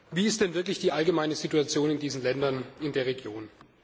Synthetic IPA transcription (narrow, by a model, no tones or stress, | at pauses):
viːɪstd̥ɛnvɪɐklɪçd̥iːʔalɡəmaɪnəzituat͡sjoːnɪndiːzn̩lɛndɐnɪndeːɐʁ̞eɡjoːn